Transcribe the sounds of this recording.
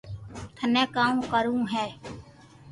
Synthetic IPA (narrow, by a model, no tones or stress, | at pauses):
t̪ʰənɛ̃ːkaːũkəɾũːɦɛː